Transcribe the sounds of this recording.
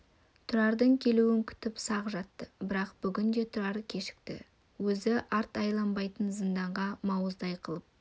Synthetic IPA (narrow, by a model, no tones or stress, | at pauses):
t̪ʰʊɾɑɾd̪əɴkʲʰe̞luwɪŋkʲʰʏ̥t̪ɪpsɑʁʒɑt̪ːəbɪɾɑqb̥ʏɡʲɪnd̪e̞t̪ʰʊɾɑɾkʲʰe̞ʃɪ̥k̚t̪ɪ̰ | wɵzɪʔɑɾt̪ɑjlˠɑnbɑjt̪ənzənd̪ɑɴʁɑmɑwəzd̪ɑjqʰəlˠəp̚